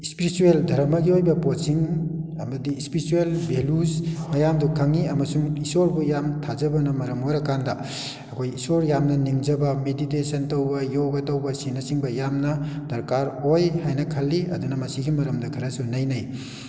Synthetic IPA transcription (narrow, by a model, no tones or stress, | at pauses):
ispiɾisueldʱɐɾmɐɡiojbɐposiŋɐmɐdiispiɾisuelbʱelusmɐjamdukʰaŋiɐmɐsuŋisoɾbujamtʰazɐbɐnɐmɐɾɐmojɾɐkandɐ | ɐkʰojisoɾjamnɐniŋd͡ʒɐbɐmeditesɐntɐwbɐjoɡɐtɐwbɐsinɐsiŋbɐjamnɐd̥ɐɾkaɾhojhajnɐkʰɐlːiɐ̰dunɐmɐsiɡimɐɾɐmdɐkʰɐɾɐsunɐjnɐj